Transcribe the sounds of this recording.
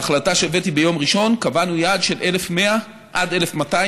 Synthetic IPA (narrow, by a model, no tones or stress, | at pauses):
aχlataʃeve̞tibe̞jo̞mʁiʃo̞nkavanujadʃe̞lʔe̞lefme̞a | ʔade̞le̞fmata